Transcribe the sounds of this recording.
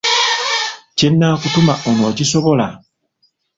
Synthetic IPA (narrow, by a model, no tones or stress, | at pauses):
cenːaːkutumaʔonoːcisoβola